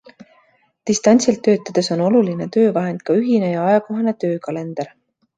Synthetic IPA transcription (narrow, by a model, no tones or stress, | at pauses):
t̪ist̪ɑnʲsilt̪ːø̞ːt̪ːˑɑd̪̥e̞so̞no̞luline̞t̪ø̞ːvɑɦe̞nd̪̥̚kɑyɦine̞jɑɑjɑko̞ɦɑne̞t̪ø̞ːkɑle̞nd̪̥ɑɾ